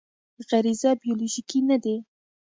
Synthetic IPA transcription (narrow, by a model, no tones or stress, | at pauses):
ɣaɾizabijoloʒikinad̪e